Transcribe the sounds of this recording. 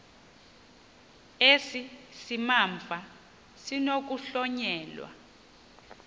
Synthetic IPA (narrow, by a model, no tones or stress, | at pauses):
esisimaɱvʱa | sinok̬uɬɔɲɛːlwa̰